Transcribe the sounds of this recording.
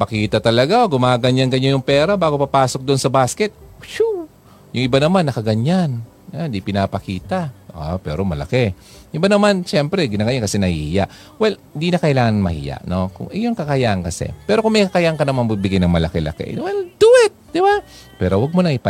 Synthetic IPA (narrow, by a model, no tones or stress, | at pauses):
pɐkiːt̪ɐt̪ɐlɐɡaoɡʊmaːɡɐɲanɡɐɲojʊŋpɛːɾabaːɡopɐpaːsok̚d̪oʔonsɐbaskɛt̪̚ʃu | jʊŋʔɪbanɐmanːɐkɐɡɐɲan | and̪ipɪnapɐkiːt̪aʔopɛːɾo̞mɐlɐ̰kɛ | ʔɪbanɐmanʃɛmpɾɛɡɪnaːɡɐɲankɐsɛnɐhḭhɪjaʔ | wɛlɪnd̪inɐkɐʔɪlaːŋɐnmɐ̰hḭja̰ʔno̞kʊ̰ŋʔɛjonkɐkɐjaʔɐŋkɐsɛ̰pɛːɾokʊŋmɛjkɐkɐjaʔŋkɐnɐmanbubɪɡajnɐŋmɐlɐkɛlɐ̰kɛ̰ʔnwɛld̪̥uɪt̪̚d̪ɪba | pɛːɾo̞waɡ̚molɐŋɪpa